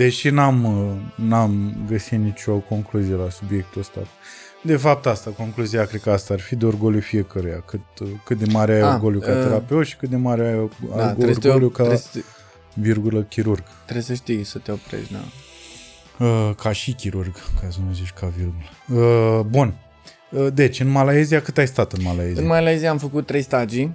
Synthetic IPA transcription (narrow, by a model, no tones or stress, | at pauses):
d̪e̞ʃinamnamɡəsit̪nit͡ʃʲo̞ko̞ŋkluzije̞lasubje̞k̚t̪uəst̪a̰ | d̪e̞fap̚t̪ast̪ako̞ŋkluzijakɾet̪kəast̪aarfid̪eorɡolufije̞kəɾeja̰kɨt̪̚kɨt̪̚d̪e̞maɾeajorɡoljukat̪eɾapeut̪ʃi̥kɨt̪̚d̪e̞maɾeajatɾeroljuka | virɡuləkʲiɾurɡ | t̪ɾejsəʃt̪ijsət̪eopɾḛʃd̪a̰ | əkʰaʃikʲiɾurɡkazunuzit͡ʃkavirɡuləəbun | əd̪e̞t͡ʃʲɨnmalaezijakɨt̪ajst̪at̪ɨnmalajezɨnmalajezijamfəkut̪ːɾe̞jst̪ad͡ʒi